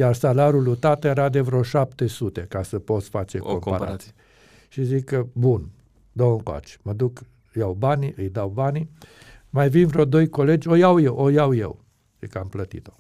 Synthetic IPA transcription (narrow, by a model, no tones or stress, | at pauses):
jarsalaɾulut̪at̪jeɾad̪e̞vɾeoʃapt̪e̞sut̪e̞kasəpo̞t̪sfat͡ʃekompaɾa̰t̪si | ʃizikəbun | d̪owəŋkoa̰t͡ʃməd̪uk | jawbaniɨjd̪awbani | majvinvɾeo̞d̪o̞jko̞le̞d͡ʒʲojawjewʔojawjḛw | z̥ḭkəamplət̪ḭt̪o̞